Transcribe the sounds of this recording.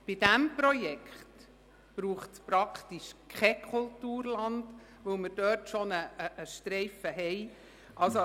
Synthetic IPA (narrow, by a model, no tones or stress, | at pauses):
b̥id̥æmpɾɔjɛkχt | b̥ɾuːχtspɾɑkt̪iʃkʰχɛkʰultuːɾlɑnd | vɵlməɾd̥œːɾtʃonəəʔːʃtɾɛɪfəɦɛj | ʔɑlso